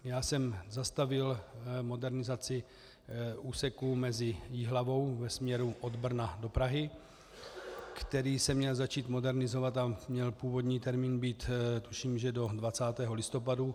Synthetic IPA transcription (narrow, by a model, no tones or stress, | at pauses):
jaːsɛmzast̪avɪlmo̞dɛɾnɪzat͡sɪ | ʔuːsɛkumɛzɪjiɦlavo̞wvɛsmɲɛɾuʔo̞d̪br̩nado̞pɾaɦɪ | kt̪ɛɾiːsɛmɲɛlzat͡ʃiːt̪mo̞dɛɾnɪzo̞vat̪amɲɛlpuːvo̞d̪ɲiːt̪ɛɾmiːnbiːt̪t̪uʃiːmʒɛdo̞dvat͡saːt̪ɛːɦo̞lɪst̪o̞padu